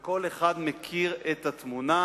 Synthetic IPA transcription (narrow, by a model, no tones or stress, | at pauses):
ko̞leχad̪mekʰiʁet̪at̪muna